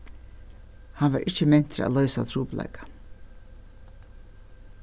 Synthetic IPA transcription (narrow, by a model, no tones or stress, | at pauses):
hanʋaːɾʔɪt͡ɕːəmɪn̥t̪ɾa̰ːlœʏsat̪ʰɾuːpla̰ɪkḁ